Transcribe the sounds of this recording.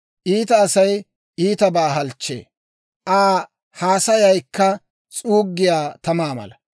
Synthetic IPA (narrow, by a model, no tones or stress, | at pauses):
ʔiːt̪ɐːsɐj | ʔiːt̪ɐbaːɦɐlt͡ʃːḛː | ʔaː | haːsɐjɐjkːɐ | t͡sʼuːɡːɪjaːt̪ɐmaːmɐ̰lɐ